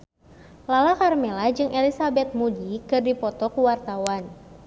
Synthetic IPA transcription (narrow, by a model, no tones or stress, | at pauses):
lalakarmɛlad͡ʒɨŋʔɛlisabɛt̪̚mudikɨrdipɔt̪ɔkuwart̪awan